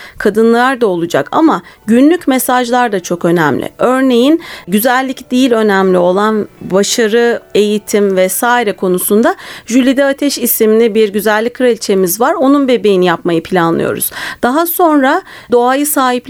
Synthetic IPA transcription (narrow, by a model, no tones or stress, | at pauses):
kʰad̪ɯnlˠlˠaɾd̪ao̞lˠud͡ʒa̰kʰa̰maɟynlʲycmesaʒlˠaɾd̪at͡ʃʰo̞kø̞nɛ̰mlʲɪ̰ʔø̞ɾne̞jinɟyzælʲːicd̪ijilʲø̞næmlʲio̞lˠanbaʃaɾɯe̞jit̪ʰimvɛsaːiɾɛkʰo̞nusund̪aʒylʲid̪ɛat̪ʰɛʃisiminɛbiɾɟyzælʲːickʰːɯɾait͡ʃʰe̞mizvaɾo̞nunbe̞be̞jinijapmajɯpʰilʲanlˠɯ̰jo̞̰ɾṵz̥d̪̥aɦaso̞nɾa | d̪o̞ajɯsaːɦip